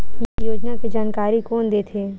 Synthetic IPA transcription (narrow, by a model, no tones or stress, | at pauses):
t̪ʰiːkjoːd͡ʒnaked͡ʒaːnkaːɾikɔːnd̪eːt̪ʰeː